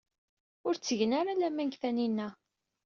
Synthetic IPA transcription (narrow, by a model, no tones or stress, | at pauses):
ʊɾt͡sːəʝənaɾalæmæŋɡθæninːæ